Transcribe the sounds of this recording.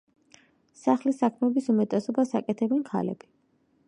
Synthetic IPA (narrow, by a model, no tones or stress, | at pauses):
saχlisakʰmɛbisumɛt̪ʼɛsɔbasakʼɛt̪ʰɛbɛnkʰa̰lɛ̰b̥i